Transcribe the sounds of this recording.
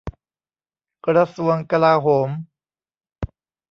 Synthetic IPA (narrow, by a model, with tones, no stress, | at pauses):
kɾa˧su˧˩əŋka˧laː˧ɦoː˩˦m